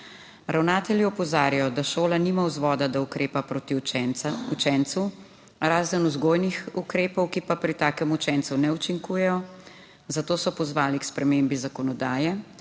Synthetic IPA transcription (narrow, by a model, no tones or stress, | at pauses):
ɾawnaːt̪ɛljiɔpɔzaːɾjajɔd̪aʃoːlaniːmawzʋɔd̪ad̪aukɾeːpapɾoːt̪i | ut͡ʃɛnt̪su | ɾaːzənuzɡoːjnixukɾeːpɔwkipapɾit̪aːkɛmut͡ʃɛnt̪sunɛut͡ʃiŋkuːjɛjɔ | zat̪oːsɔpɔzʋaːlikspɾɛmembizakɔnɔd̪aːjɛ